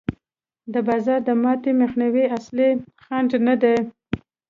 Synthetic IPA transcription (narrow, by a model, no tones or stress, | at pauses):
d̪əbɑzɑɾd̪əmɑt̪emexnawiasli | xɑnd͡ʒnad̪e